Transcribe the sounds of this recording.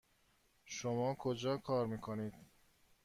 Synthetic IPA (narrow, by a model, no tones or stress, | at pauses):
ʃomɒːkʰod͡ʒɒːkʰɒːɾmiːkʰoniːd̪̥